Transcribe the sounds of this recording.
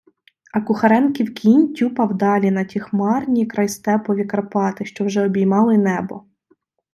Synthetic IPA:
ɐkʊxɐɾɛnkʲiwkʲinʲtʲupɐwd̪ɑlʲinɐtʲixmɑrnʲikɾɐjst̪ɛpɔʋʲikɐrpɑt̪ɪʃt͡ʃɔwʒɛɔbʲijmɑlˠɪnɛbɔ̰

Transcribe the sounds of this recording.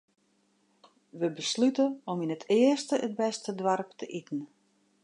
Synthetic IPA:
ʋəbəslytəɔminətʰɪəstəʔəd̚bɛstədʋarptʰəʔitn̩

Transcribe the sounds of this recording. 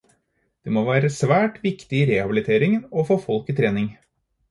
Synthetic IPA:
d̪̥eːmoːʋæːɾəsʋæːʈʋɪkt̪ɪiːɾɛhɑbɪlɪt̪ʰeːɾɪŋənɔfoːfɔlkiːt̪ʰɾeːnɪŋ

